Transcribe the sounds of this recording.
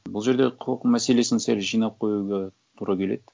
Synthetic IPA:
bʊlˠʒe̞ɾd̪eqʰoqmæse̞le̞sɪnseɾʒijnɑp̚qʰo̞juɡʲe | t̪ʰuɾɑkʲʰe̞le̞d̪

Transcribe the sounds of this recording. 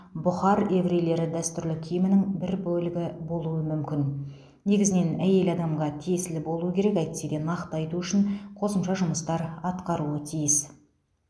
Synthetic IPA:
bʊχɑɾe̞vɾejle̞ɾɪd̪æst̪ʏɾlɪkʲʰʏjmɪnɪŋbɪɾbɵlɪɡʲɪbo̞lˠuwəmʏmkʲɪn | ne̞ɡʲɪzɪne̞næje̞lɑd̪ɑmʁɑt̪ʰijesɪlɪbo̞lˠuəkʲeɾe̞kæjt̪sed̪enɑqt̪əɑjt̪uʏʃɪɴqʰo̞səmʃɑʒʊməst̪ɑɾɑt̪qɑɾuət̪ʰijɪs

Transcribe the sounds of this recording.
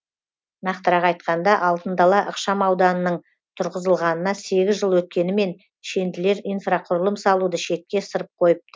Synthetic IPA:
nɑqt̪əɾɑqɑjt̪̚qɑnd̪ɑʔɑlˠt̪ənd̪ɑlˠɑʔəqʃɑmɑwd̪ɑnənəɴ | t̪ʰʊɾʁəzəlˠʁɑnənɑse̞ɡʲɪzʒəlˠwɵt̪̚kʲe̞nɪme̞n | ʃe̞nd̪ɪle̞ɾijnfraqʰʊɾəlˠəmsɑlˠud̪əʃe̞t̪̚kʲe̞səɾəp̚qʰo̞jəp̪̚ə

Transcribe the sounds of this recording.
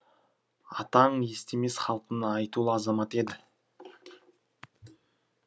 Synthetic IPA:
ɑt̪ɑɴje̞st̪e̞me̞sχɑlˠqənəːɑjt̪ulˠəɑzɑmɑt̪e̞d̪ɪ

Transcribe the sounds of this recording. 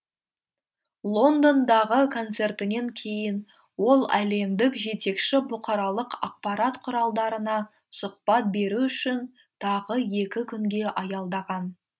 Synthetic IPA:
lˠo̞nd̪o̞nd̪ɑʁəkʰo̞nt̪se̞rt̪ɪne̞ŋkʲʰe̞jɪn | wo̞lˠæle̞md̪ɪkʒe̞t̪e̞kʃɪbʊqɑɾɑlˠəqɑ̰q̚pɑɾɑt̪qʰʊɾɑlˠd̪ɑɾənɑ | sʊq̚pɑt̪̚be̞ɾuʏʃɪn | t̪ʰɑʁəje̞kʲɪkʲʰʏŋɡʲe̞ʔɑjɑlˠd̪ɑʁɑn

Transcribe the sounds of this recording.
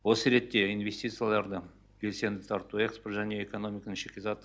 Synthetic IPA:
wo̞səɾe̞t̪ːe̞inve̞sʲt̪ʲit̪sɨjalˠɑɾd̪ə | bʲe̞lse̞nd̪ɪt̪ʰɑɾt̪uekspot̪ʒænʲeeko̞no̞mʲikənəŋʃekʲesɑt̪ː

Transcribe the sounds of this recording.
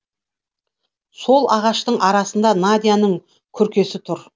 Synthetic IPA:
so̞lˠɑʁɑʃt̪əɴʔɑɾɑsənd̪ɑnad̪ijanəɴ | kʲʰʏɾkʲe̞sɪt̪ʰʊɾ

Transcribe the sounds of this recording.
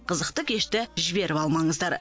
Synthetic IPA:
qʰəzəq̚t̪əkʲʰe̞ʃt̪ɪʒɪbe̞ɾʔɪpɑlˠmɑɴəzd̪ɑɾ

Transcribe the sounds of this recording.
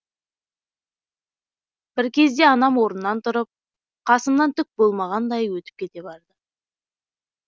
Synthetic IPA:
b̥ɪɾkʲʰe̞zd̪e̞ɑnɑmwo̞ɾənːɑnt̪ʰʊɾəp̚ | qʰɑsəmnɑnt̪ʰʏk̚bo̞lˠmɑʁɑnd̪ɑjwɵt̪ɪ̥p̚kʲʰe̞t̪e̞bɑɾd̪ə

